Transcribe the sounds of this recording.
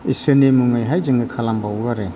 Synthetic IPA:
isɯnemuŋajɦajzɯŋɡɯkʰalambawɡaɾe

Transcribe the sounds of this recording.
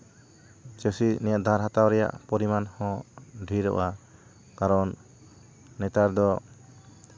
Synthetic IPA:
t͡ʃesinɛjaʔd̪ʱaɾɦat̪awɾɛja̰ʔpɔɾimanhɔ̃ɖʱiɾɔ̰ʔa | kaɾɔnː | ɛt̪aɾd̪ɔ

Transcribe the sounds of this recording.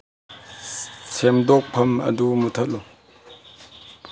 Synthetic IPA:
sʰemd̪ɔk̚pʰɐmɐ̰dumut̪ʰɐt̚lu

